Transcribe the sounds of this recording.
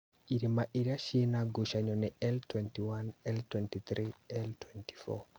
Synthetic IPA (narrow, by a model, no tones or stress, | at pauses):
iɾimaʔiɾiaʃinaɡuʃaɲɔnɛɛltwɛntiwanɛltwɛntit̪ɾiɛltwɛnti̥fɔ̰